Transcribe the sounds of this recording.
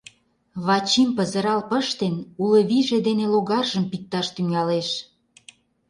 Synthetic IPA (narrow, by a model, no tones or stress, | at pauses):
βɑt͡ɕimpəzə̆ɾɑlpəʃt̪enuləβiʒed̪eneloɣɑrʒəmpik̚t̪ɑʃt̪yŋɑleʃ